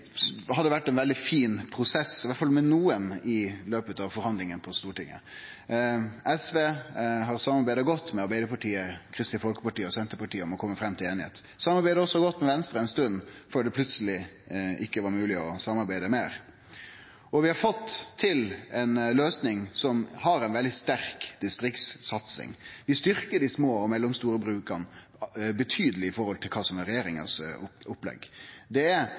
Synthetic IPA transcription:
hɑd̪ːəʋæʈːɛnʋɛld̪ɪfiːnpʰɾʊsɛsːɪʋæt̪fɑlmɛnuːənɪløːpət̪ɑʋfɔɾhɑnd̪lɪŋənpʰɔst̪uːʈɪ̰ŋːə̰ | ɛsʋeːɦɑɾsɑmːɑɾbæɪd̪əɾɡɔt̪ːmɛɑɾbæɪd̪əɾpɑʈʰiːəkʰɾɪst̪ɪfɔlkəpɑʈiːəɔsɛnt̪əɾpɑʈʰiːəɔmɔkʰɔmːəfɾɛmt̪ʰɪleːnɪhḛːt̪ | sɑmːɑɾbæɪd̪əɔsːɔɡɔt̪ːmɛʋɛnst̪ɾəɛɪnst̪ʉnːføːɖ̪ɛpʰlʉt̪səlɪʔɪkːəʋɑɾmʉːlɪɔsɑmːɑɾbæɪd̪əmeːɾ | ɔʋɪhɑɾfɔt̪ːʰɪlɛnløːsnɪŋsɔmhɑɾɛnʋɛld̪ɪst̪æɾkd̪̥ɪst̪ɾɪkt̪ssɑt̪sɪ̰ŋʋɪst̪ʏɾkəɖɪsmoːɔmɛlːɔmst̪uːɾəbɾʉːkəɾn | bət̪ʰyːd̪əlɪɪfɔɾhɔlt̪ʰɪlkʰɑːsɔmɛɾɛjeːɾɪŋə̰sʊpːlɛ̰ɡːd̪ɛæɾ

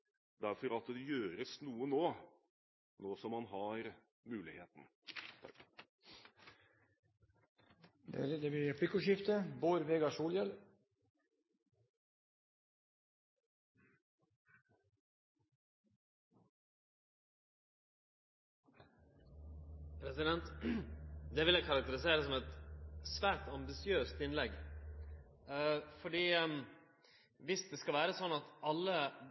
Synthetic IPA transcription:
d̪æɾfɔɾɑt̪d̪ɛjøːɾəsnuːənoː | noːsɔmhɑnɦɑɾ | mʉːlɪheːt̪n̩ʰ | d̪ɛ̰ɾd̪ɛbɪɾɛfɪkʊʃɪft̪əboːɾʋeːɡɑsuːljɛl | pʰɾɛsɪd̪ɛnt̪ | d̪ɛʋɪljæɪkʰɑɾɑk̚t̪əɾɪseːɾəs̬ɔmɛt̪sʋæːʈɑmbɪsɪøːst̪ɪnlɛɡ | fɔɖiː | ʋɪsd̪ɛːskɑʋæːɾəsɔnɑt̪ɑlːə

